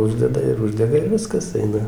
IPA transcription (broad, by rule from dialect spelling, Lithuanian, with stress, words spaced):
ˈʊʒʲdʲɛdɐ ɪr ˈʊʒʲdʲɛɡɐ ɪr ˈʋʲɪskɐs ˈɐɪnɐ